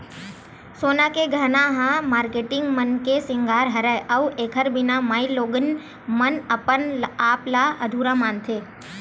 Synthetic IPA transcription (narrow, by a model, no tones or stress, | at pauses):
soːnakeɡʱɐnaɦãmaːɾkeːʈɪ̃ŋɡmənkesɪ̃ŋɡʱaːɾɦɐɾəʔəueːkʰəɾbɪnamaːiloːɡən | mənəpənaːplaɐd̪ʱuːɾamaːnt̪ʰeː